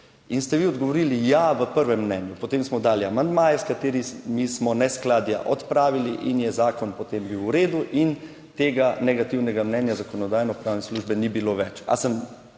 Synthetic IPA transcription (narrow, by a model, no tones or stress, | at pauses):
inst̪ɛʋiɔd̪ɡɔʋɔɾiːlijaʋəpəɾʋɛmːnɛːnjupɔt̪emsmɔd̪aːliamand̪maːjɛskat̪eːɾimismɔnɛsklaːd̪ja̰ʔɔt̪pɾaːʋiliʔinjɛzaːkɔnpɔt̪embiwːɾeːd̪uʔin | t̪eːɡanɛɡat̪iwnɛɡamnɛnjazakɔnɔd̪aːjnɔpɾaːwnɛsluʒbɛnibiloʋɛt͡ʃa̰səm